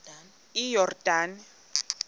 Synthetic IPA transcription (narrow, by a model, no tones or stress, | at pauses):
ijɔrdaːn